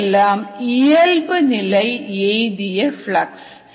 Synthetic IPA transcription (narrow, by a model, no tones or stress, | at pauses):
lːaːmijɐlbɨnilɐjejd̪ijɐfɭɐks